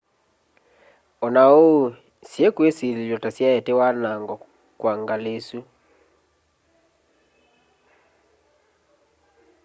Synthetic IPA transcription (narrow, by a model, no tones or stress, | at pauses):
ɔnao | sjekwesililɔtasjaɛtewanaŋɡɔ | kwaŋɡalesu